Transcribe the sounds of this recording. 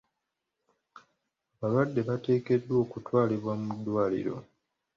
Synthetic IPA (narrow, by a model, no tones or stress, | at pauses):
aβalwadːe̞βate̞ːke̞dːwo̞ːkutwaːliβwamudːwaːlḭɾo̞̰